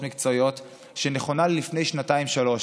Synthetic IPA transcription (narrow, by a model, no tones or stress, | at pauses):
mikt͡sojo̞t | ʃeneχo̞nallifne̞jʃnataimʃalo̞ʃ